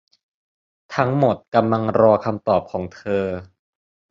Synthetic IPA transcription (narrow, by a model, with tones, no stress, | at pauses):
t̪ʰa˦˥ŋmo˨˩t̪̚ka˧mla˧ŋɾɔː˧kʰa˧mt̪ɔː˨˩p̚kʰɔː˩˦ŋt̪ʰɤː˧